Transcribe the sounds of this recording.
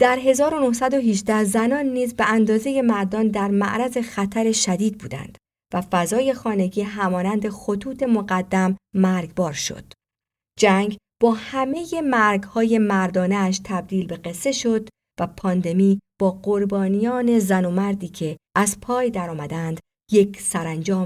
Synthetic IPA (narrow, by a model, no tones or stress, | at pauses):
d̪̥æɾɦe̞zɒːɾo̞no̞hsæd̪o̞ɦid͡ʒd̪æhzænɒːnːiːzbeænd̪ɒːze̞je̞mæɾd̪ɒːnd̪æɾmæ̰ʔɾæze̞xæt̪ʰæɾe̞ʃæd̪iːd̪̚buːd̪æ̰nd̪̥ | væfæzɒːje̞xɒːne̞ɡiːɦæmɒːnænd̪e̞xo̞t̪ʰuːt̪ʰe̞moɡæd̪ːæmːæɾɡbɒːɾʃo̞̰d̪̥ | d͡ʒæŋɡ | b̥ɒːhæme̞je̞mæɾɡhɒːje̞mæɾd̪ɒːneːʃt̪ʰæb̚d̪iːlbe̞ɡe̞sːe̞ʃo̞d̪ | væpʰɒːnd̪e̞miːb̥ɒːɢo̞ɾbɒːnijɒːne̞zænomæɾd̪iːcʰe̞ʔæzpʰɒːjd̪æɾɒːmæd̪ænd̪̥ | je̞kʰsæɾænd͡ʒɒːm